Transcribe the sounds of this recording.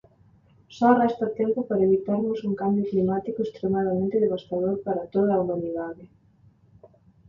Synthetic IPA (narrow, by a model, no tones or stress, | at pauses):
sɔrɛst̪ɐt̪ɛmpʊpaɾɐeβit̪aɾmʊsuŋkambjoklimat̪ikoest̪ɾemaðɐmẽnt̪eðeβ̞ast̪aðoɾpaɾɐt̪oð̞ɐːumaniðaðɪ